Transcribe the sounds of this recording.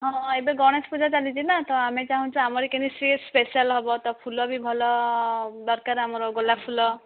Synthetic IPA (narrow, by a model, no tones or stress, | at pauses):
ɦɔ̃ebeɡɔɽ̃espud͡ʒʱat͡ʃalit͡ʃinat̪ɔamet͡ʃaɦũnt͡ʃʰɔamɔɾikenisispesialɦɔbɔt̪ɔpʰulɔbibʱɔlɔ | d̪ɔɾkaɾamɔɾɔɡolapʰulɔ